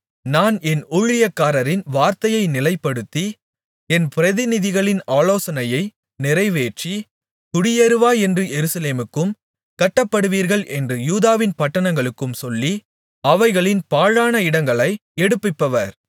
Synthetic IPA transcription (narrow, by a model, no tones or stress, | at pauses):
naːnɛnʊɻɪjɐkːaːɾɐɾɪnʋaːɾt̪ɐjɐɪnɪlɐɪpːɐɽɯt̪ːi | ɛnpɪɾɐðɪnɪðɪɣɐɭɪnaːloːsɐnɐjɐɪ | nɪɾɐɪʋeːʈt͡ʃi | kʊɽɪjɐɾɯʋaːɛndrɯjɛɾɯsɐleːmɯkːɯm | kɐʈːɐpːɐɽɯʋiːɾɣɐɭʔɛndrɯjuːðaːʋɪnpɐʈːɐnɐŋɡɐɭɯkːɯmsɔlːi | ɐʋɐɪɣɐɭɪnpaːɻaːnɐɪɽɐŋɡɐɭɐɪɛɽɯpːɪpːɐʋɐɾ